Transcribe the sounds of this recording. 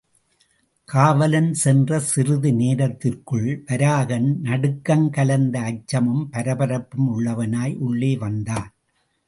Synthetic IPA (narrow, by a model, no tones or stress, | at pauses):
kʰaːʋɐlɐnsɛndrɐsɪrɯðɯneːɾɐt̪ːɪrkɯɭʋɐɾaːɣɐnnɐɽɯkːɐnkɐlɐnd̪ɐːt͡ʃːɐmɯmpɐɾɐbɐɾɐpːɯmʊɭːɐʋɐnaːjʔʊɭːeːʋɐnd̪aːn